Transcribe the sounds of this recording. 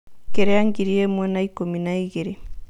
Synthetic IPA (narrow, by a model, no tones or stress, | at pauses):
keɾeaŋɡiɾiemwɛnaikominaiɣeɾe